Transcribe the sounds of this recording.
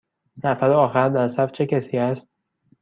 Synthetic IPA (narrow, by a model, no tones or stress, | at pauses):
næfæɾoɒːxænd̪æɾsæft͡ʃʰecʰæsiːæst̪̚